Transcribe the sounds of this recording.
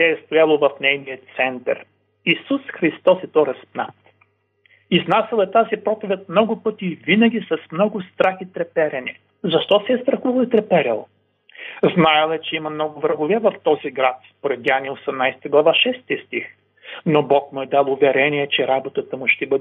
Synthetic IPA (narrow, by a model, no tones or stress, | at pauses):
t̪ʲɛɛst̪ojalˠovɐfnɛjnijət̪sɛnt̪ɐ̰ɾ | isusxɾist̪ɔsɛt̪ɔɾɐspna̰t̪ | iznasɛlˠɛt̪azipɾɔp̪ovʲɛt̪̚mnɔɡʊpɤt̪iːvinəɡʲisɐsmnɔɡʊst̪ɾaxit̪ɾɛpɛɾʲɐnɛ | zɐʃt̪ɔsɛɛst̪ɾɐxuvɐlˠit̪ɾɛpɛɾʲɛ̰lˠ | znaɛlˠɛt͡ʃɛimɐmnɔɡʊvɾəɡʊvɛvɐft̪ɔziɡɾat̪spoɾɛt̪janiosɛmnajsɛ̥t̪əɡlˠɐvaʃɛst̪ist̪ix | nobɔkmʊɛd̪alˠʊvɛɾɛniɛt͡ʃɛɾabot̪ət̪əmʊʃt̪ɛbɤd̪ɛ